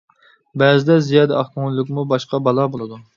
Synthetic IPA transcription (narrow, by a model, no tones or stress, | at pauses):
bɛzɪd̪ɛzijɑd̪ɛɑχkuŋlˠɨk̬ʲmubɑʃqɑbɑlˠɑbolˠɨd̪u